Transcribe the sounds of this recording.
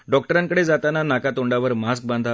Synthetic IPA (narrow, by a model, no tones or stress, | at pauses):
ɖɔkʈəɾãŋkəɽed͡zat̪ananakat̪oɳɖaʋəɾmask̚bãnd̪ʱa